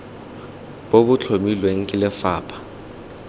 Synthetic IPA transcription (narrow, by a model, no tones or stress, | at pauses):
boɓʊt͡ɬʰomilweŋ̩kʼɪlɛfaːpʰḁ